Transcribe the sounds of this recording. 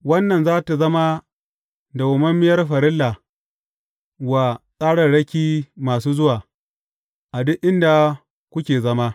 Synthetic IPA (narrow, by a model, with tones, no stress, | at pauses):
wɐ˦nːɐ˨nzaː˦ta˨zɐ˦ma˦ | da˨wʊ˨mɐ˦mːɪ˦jɐ˦rɸɐ˨ɾɪ˦lːa˨ | wa˨sʼaː˦ɽɐ˨rɽɐ˦kʲiː˦maː˨suː˦zʊ˦waː˨ | ʔa˨dʊ˦ʔʔɪ˦nda˨ | kʷʊ˦kʲeː˨zɐ˦ma˦